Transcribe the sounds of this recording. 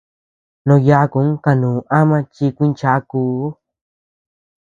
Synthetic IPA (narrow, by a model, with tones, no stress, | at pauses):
nõ˧ja˧˦˧kũ˨˦ka˧nũː˨ʔa˦mã˧t͡ʃi˧kʷi˦nt͡ʃa˧˦kuː˧˦